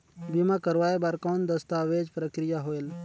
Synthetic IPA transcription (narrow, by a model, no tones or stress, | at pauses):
bimakəɾʋaːebaɾkoːnd̪əst̪aːʋeːd͡ʒpɾəkɾijaɦoːel